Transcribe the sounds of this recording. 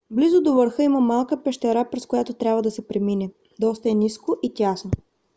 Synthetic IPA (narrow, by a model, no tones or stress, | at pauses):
blizod̪ovəɾxɤiməmalˠkəpɛʃt̪ɛɾapɾɛskojat̪ot̪ɾʲabvəd̪ɐsɛpɾɛminɛ | d̪ɔst̪ɐɛniskoʔit̪ʲjasno